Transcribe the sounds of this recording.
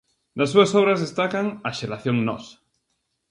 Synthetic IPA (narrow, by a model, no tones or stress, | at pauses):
nasːuasoβɾazðest̪akaŋaʃelaθjoŋnɔ̰sḁ